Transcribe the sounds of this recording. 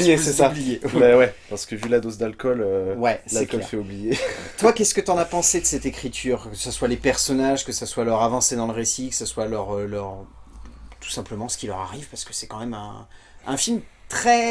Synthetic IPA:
jesɛsablijemɛwɛpaʁsə̥kəvylad̪ozd̪alkɔløwɛslalkɔlfɛublijet̪wakʲɛskət̪yɑ̃napɑ̃sed̪əsɛt̪ekχit̪ʰyːʁkəsaswalepɛʁsɔnaʒkəsaswalœʁavɑ̃sed̪ɑ̃ləʁesikə̥saswalœʁølœʁ | t̪u̥sɛ̃pləmɑ̃sə̥kʲilœʁa̰ʁivpaʁsə̥kə̥sɛkɑ̃mɛmɛ̰̃ | ɛ̰̃filmt̪χɛ

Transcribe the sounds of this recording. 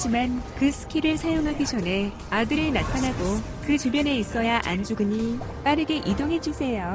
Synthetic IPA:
d͡ʑimankɯsʰɯ̥kʰiɾɯɭsʰajoŋɦaɡid͡ʑʌnɦe̞ | adɯɾɯɭnatʰanaɡo | kɯt͡ɕubjʌne̞is͈ʌjaʔa̰nd͡ʑuɡɯɲi | p͈aɾɯɡe̞ʔidoŋɦe̞d͡ʑusʰe̞jo

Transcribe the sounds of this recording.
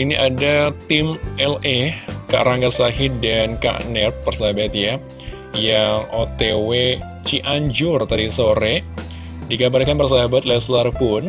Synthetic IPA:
iniʔadat̪imɛlɛka̰ʔɾaŋɡasaɦidanka̰ʔnɛrp̚ːərsaɦabat̪̚ja | jaŋʔot̪ewe | t͡ʃiʔaɲd͡ʒʊrt̪aɾisoɾɛ | diɡabalkanpərs̬aɦabat̪̚lɛslarpʊn

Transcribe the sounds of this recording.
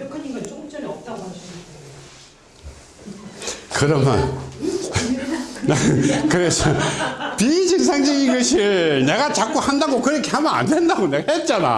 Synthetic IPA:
kɯɾʌmjʌ̰n | kɯɾesʰʌpid͡ʑɯŋsʰaŋd͡ʑiɡiɡʌɕʰine̞ɡat͡ɕak͈̚ohandaɡokɯɾʌkʰe̞hambʌna̰nde̞ndaɡoneɡahet̚t͡ɕ͈ana̰

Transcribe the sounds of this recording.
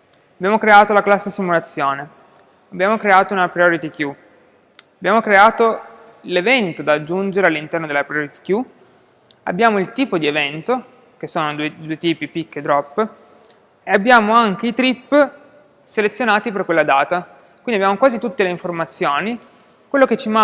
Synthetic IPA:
abjaːmokɾeaːt̪olaklasːesimulat̪sːjoːne | abːjaːmokɾeaːt̪ounapɾijoɾit̪ikju | abːjaːmokɾeaːt̪o | levɛnt̪od̪aːd͡ʒːund͡ʒeɾealːint̪ɛrnod̪elːapɾioɾit̪i̥kju | a̰bːjaːmoilt̪iːpod̪ievɛnt̪o | k̟esːoːnod̪uːed̪uːet̪iːpipikːd̪ɾɔpː | eabːjaːmoaŋk̟eit̪ɾipː | selet̪sːjonaːt̪iperkwelːad̪aːt̪a | kwindiabjaːmokwaːzit̪ut̪ːeleiɱformat̪sːjoːni | kwelːoket͡ʃːima

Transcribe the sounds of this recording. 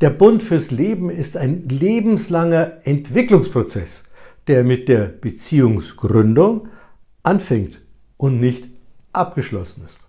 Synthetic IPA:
d̥eːɐbʊntfyːɐsleːbm̩ɪstaɪnleːbm̩slaŋɐɛntv̥ɪklʊŋspʁ̥ot͡sɛ̰sd̥eːɐmɪt̚d̥eːɐb̥ət͡siːʊŋsɡ̥ʁʏndʊŋ | ʔanfɛŋt | ʔʊntnɪçtʔap̚ɡ̥əʃlɔ̰sn̩ɪst

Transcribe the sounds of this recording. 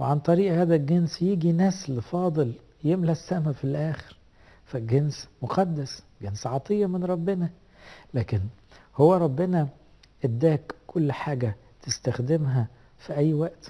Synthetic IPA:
weʕant̪ˤɑɾiːʔhæːd̪æɡensjiːɡinæslfɑːd̪ˤel | jemlæsːæmæfilʔæːxeɾ | fæɡensmoqɑd̪ːæs | ɡensʕɑt̪ˤejːɑmenɾˤɑbːenæ | læːken | howːæɾˤɑbːenæ | ʔed̪ːæːkːʰolːħaːɡæ | t̪est̪æxd̪emɦæ | fiʔæjːwæʔt̪

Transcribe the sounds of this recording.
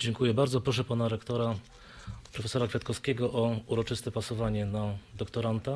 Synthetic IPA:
d͡ʑɛŋkujɛbaɾd̪zɔpɾɔʂɛpanaɾɛkt̪ɔɾa | pɾɔfɛsɔɾakfʲjat̪kɔfskʲɛɡɔʔɔuɾɔt͡ʂɘst̪ɛpasɔvaɲɛnad̪ɔkt̪ɔɾant̪a

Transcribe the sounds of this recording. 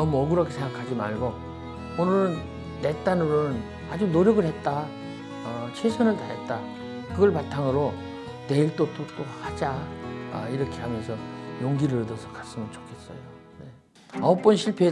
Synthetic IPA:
nʌmuʌɡɯɾʌkʰesʰeŋɡakʰad͡ʑima̰ɭɡo | onɯɾɯn | te̞t͈anɯɾɯn | ad͡ʑunoɾjʌɡɯɭhe̞t̚t͈a | ʌt͡ɕʰesʰʌnɯɭtaɦe̞t̚t͈a | kɯɡʌɭpatʰaŋɯɾo | te̞iɭt͈ot͈ʰot͈ohad͡ʑaʌ̰iɾʌkʰe̞ɦamjʌnsʰʌjoŋɡiɾɯɾɯdʌsʰʌkḁs͈ɯmʌnt͡ɕo̥kʰe̞s͈ʌ̰jo | ne | aop͈ʌnɕʰiɭpʰe

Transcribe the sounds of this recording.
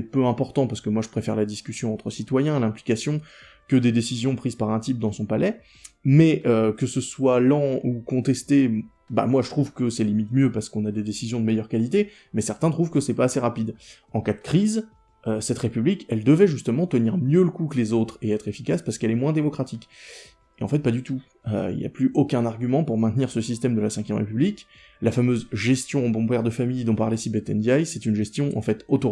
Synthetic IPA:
ɛpøɛ̃pɔʁt̪ɑ̃paʁsə̥kəmwaʒəpχefɛʁlad̪iskʲysjɔ̃ɑ̃t̪χəsit̪wajɛ̃lɛ̃plikasjɔ̃ | kəd̪ed̪esizjɔ̃pχiz̥paʁɛ̃t̪̬ip̚d̪ɑ̃sɔ̃palɛ | mɛʔøkəsəswalɑ̃ukɔ̃t̪ɛst̪e | ba̰mwaʒət̪χuvkəsɛlimit̪mjøpaʁsə̥kɔ̃nad̪ed̪esizjɔ̃d̪əmɛjœʁkalit̪e | mɛsɛʁt̪ɛ̃t̪χuvkəsɛpaːseʁapid̪ | ɑ̃kad̪əkχiz | øsɛt̪χepyblikɛld̪əvɛʒyst̪əmɑ̃t̪əniʁmjøləkukəlezot̪χeɛt̪χefikaspaʁsə̥kɛlɛmwɛ̃d̪emɔkχat̪ik | eɑ̃fɛt̪̚pad̪yt̪u | ø̰ḭlja̰plyʔokʲɛ̃naʁɡʲymɑ̃puʁmɛ̃t̪niʁsəsist̪ɛmd̪əlasɛ̃kʲjɛmʁḛpyblik | lafamøzʒɛst̪jɔ̃bɔ̃pɛʁd̪əfamijd̪ɔ̃paʁlɛsibet̪ɛnd̪jajsɛt̪ynʒɛst̪jɔ̃ʔɑ̰̃fɛt̪ot̪o

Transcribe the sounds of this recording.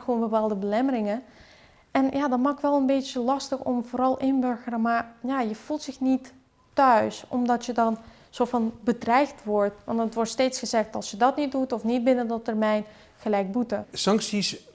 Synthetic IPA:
xoːnbəpaːlˠdəbəlɛmərɪŋə | ʔɛnjadɔnmakʋɛlˠənbeːtjəlɑstəxɔmvoːɾɔlˠʔɪnbørɣərəmarjajəfulˠtsɪxnitː | œɥsɔmdɔtjədɔn | soːfɔnbədrɛjxtʋɔrtʋɑ̰ntətʋɔrtsteːtsxəzɛxtɑlˠsjədɔtnit̚dutɔfnit̚bɪnədɔtərmɛjn | xəlɛjk̚butəsɑŋksis

